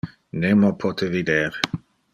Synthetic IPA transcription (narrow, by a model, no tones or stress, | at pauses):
nemopʰɔt̪ʰevid̪eːɾ